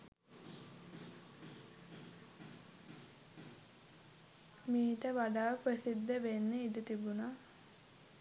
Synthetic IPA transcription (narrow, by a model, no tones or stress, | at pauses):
miːʈəʋaɖaːʋəprəsid̪ːəʋenːeidət̪ibuna